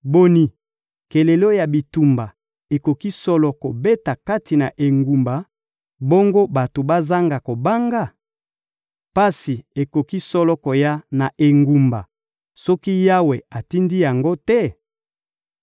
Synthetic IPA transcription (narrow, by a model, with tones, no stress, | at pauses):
bo˦ni˨ | ke˨le˨lo˦ja˨bi˨tu˨mba˨ | e˨ko˨ki˦sɔ˦lɔ˨ko˨be˦ta˨ka˦ti˨na̰˨ʔe˨ŋɡu˨mba˨ | bo˦ŋɡo˦ba˨to˨ba˦za˦ŋɡa˨ko˨ba˦ŋɡa˦˨ | pa˦si˨e˨ko˨ki˦sɔ˦lɔ˦ko˨ja˦na˨ʔe˨ŋɡu˨mba˨ | sɔ˦ki˦ja˦we˨a˨ti˦ndi˦ja˨ŋɡo˦tɛ˦